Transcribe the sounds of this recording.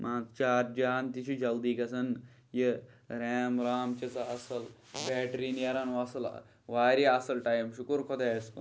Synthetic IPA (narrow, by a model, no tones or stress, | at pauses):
maːt͡ʃaːɾd͡ʒaːnt̪it͡ʃʰud͡ʒɐld̪ikɐsɐn | ji | ɾeːmɾaːmt͡ʃɐt͡sɐɐsɐl | beːʈɾinjɐɾɐnʋɐsɐl̰ | ʋaːɾiɐsɐlʈajmʃukuɾkʰod̪eːskun